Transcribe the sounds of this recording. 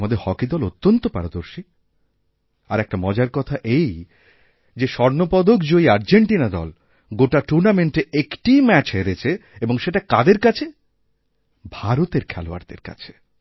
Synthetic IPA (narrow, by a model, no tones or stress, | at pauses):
mad̪eɾhɔkid̪ɔlot̪ːont̪opa̰ɾod̪oɾʃi | aɾɛk̚ʈamɔd͡ʑaɾkɔt̪ʰaʔej | d͡ʑeʃɔɾnopɔd̪okd͡ʑoiaɾd͡ʑeɳʈinad̪ɔ̰l | ɡoʈaʈuɾnameɳʈeekʈimɛt͡ɕɦeɾet͡ɕʰeeboŋʃeʈakad̪eɾkat͡ɕʰe | bʱaɾot̪eɾkʰɛloa̰ɾd̪ḛɾka̰t͡ɕʰe̥